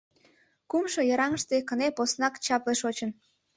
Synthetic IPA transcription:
kumʃojɑɾɑŋəʃt̪ekəneposnɑkt͡ɕɑpleʃot͡ɕən

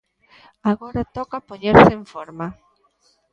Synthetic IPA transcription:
aɣoɾat̪ɔkapoɲeɾsɪeɱfɔɾma

